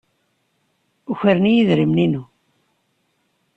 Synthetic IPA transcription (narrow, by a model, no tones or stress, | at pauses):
uçəɾnijiðɾimninu